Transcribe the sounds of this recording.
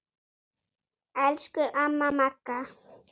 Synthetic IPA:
alʃkʊʔamamaka

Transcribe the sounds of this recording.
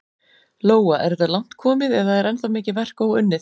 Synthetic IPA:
loːwaʔɛɾɛt̪alan̥t̪kʰɔːmɪðɛðaðɛɾɛnθamɪːcɪvɛr̥koːwʏnːɪ

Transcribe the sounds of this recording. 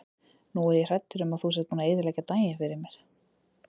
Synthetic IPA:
nuɛɾjɛr̥ɛt̪ːʏɾʏmaðθusɛt̪nuːnaejðʏɾlɛjcat̪aːjɪfɪɾɪɾmjɛɾ̥

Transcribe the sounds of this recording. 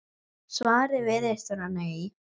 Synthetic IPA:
svaːɾɪvɪðest̪aɾanːai

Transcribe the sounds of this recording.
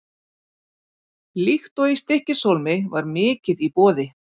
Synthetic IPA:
lixt̪ɔist̪ɪhcɪsowlmɪvaɾmɪːcɪðipɔːðɪ

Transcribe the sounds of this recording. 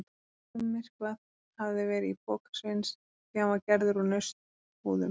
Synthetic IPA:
t̪a | tʏmːɪr̥klað | havðɪvɛːɾɪipɔːkḁsvɪns | camaɾcɛɾðʏɾunœst̪ | huːðʏm

